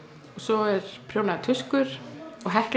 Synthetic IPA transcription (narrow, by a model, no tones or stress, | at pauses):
ɔɣsɔɛɾ̥pʰɾ̥joːwnaðt̪ʰʏskʏɾ̥ɔɣɦɛhk